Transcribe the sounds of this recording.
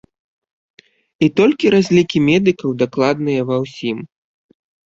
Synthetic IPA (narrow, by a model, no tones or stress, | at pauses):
it̪ɔlʲkʲiɾazʲlʲikʲimʲɛd̪ɨkɐwd̪aklˠad̪nɨjɐvɐwsʲim